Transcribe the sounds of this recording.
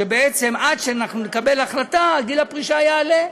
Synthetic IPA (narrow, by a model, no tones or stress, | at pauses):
ebeet͡se̞mad̪ʃeanaχnunekabe̞laχlataɡilapʁiʃaːjaːle